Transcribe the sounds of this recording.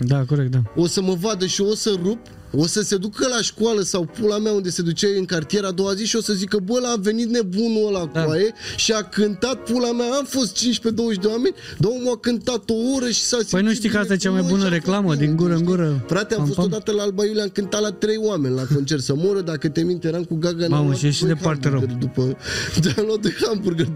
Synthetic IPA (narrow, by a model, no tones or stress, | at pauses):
d̪akoɾekt̪̚d̪ao̞səməvad̪əʃio̞sərup | o̞səse̞d̪ukəlaʃkwaləsawpulameaund̪e̞se̞d̪ut͡ʃeɨŋkart̪ije̞ɾad̪o̞waziʃio̞səzikəbəlaːve̞nit̪̚ne̞bunolakwaje̞ʃiakɨnt̪at̪̚pulamaːmfo̞st̪̚t͡ʃint͡ʃʲpe̞d̪o̞wəʒd̪ewame̞nʲd̪omuakɨnt̪at̪o̞oɾəʃi̥sasipəjnuʃt̪ijkaast̪ajet͡ʃamajbunəɾeklaməd̪iŋɡuɾəɨŋɡuɾəfɾat̪eaost̪od̪at̪əlaalbajuleamkɨnt̪at̪lat̪ɾe̞jwame̞nʲlako̞nt͡ʃe̞rt̪səmoɾəd̪akət̪emint̪eɾamkuɡaɡanmaʃeʃid̪epartt̪eɾeəd̪upəd̪alad̪ujeɾambuɾɡə